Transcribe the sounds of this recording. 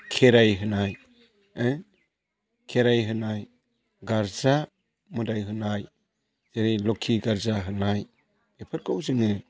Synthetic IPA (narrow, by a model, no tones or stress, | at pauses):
kʰeɾajɦɯnaj | kʰeɾajɦɯnaj | ɡaɾza | mɯdajɦɯnaj | zeɾejlɔkʰiɡaɾzaɦɯnaj | epʰɯɾ̚kʰawzɯŋɯ